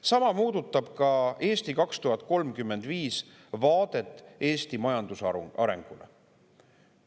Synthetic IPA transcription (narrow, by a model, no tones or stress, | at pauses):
sɑmɑmuːd̪ut̪ːˑɑb̥kɑe̞ːst̪ikɑkst̪uɦɑt̪̚ːˑko̞lmkymːe̞nd̪̥viːs | vɑːd̪̥e̞t̪ːˑʔe̞ːst̪imɑjɑnd̪̥usɑɑ̰ɾe̞̰ŋɡ̥ulḛ